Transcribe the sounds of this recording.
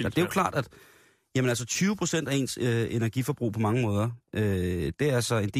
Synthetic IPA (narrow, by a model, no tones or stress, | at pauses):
d̥e̝ʊkʰlɑ̰̈ːd̥æd̥ | jæmənælsət͡sʰyːʊəpʰʁo̝sen̰d̥æe̝̰ːnsøe̝næɐɡ̥ifɒ̽b̥ʁṵːpʰɒ̽mɑ̈ŋəmɔ̽ːð̞ˠɐʔød̥e̝æɐælsɒend̥e̝